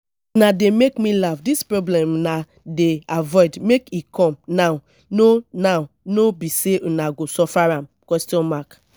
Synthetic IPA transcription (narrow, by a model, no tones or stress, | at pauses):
nademekmilafdispɾoblɛmna | deavɔɪdmekikɔ̃mnaʊ | nonaʊ | nobiseʔunaɡosɔfaɾãmkwɛstiɔ̃nmak